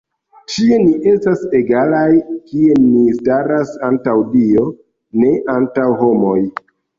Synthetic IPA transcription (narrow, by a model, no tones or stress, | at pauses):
t͡ʃie̞niʔe̞stase̞ɡalajkie̞nistaɾasantawdio̞ | ne̞ʔantawho̞mo̞j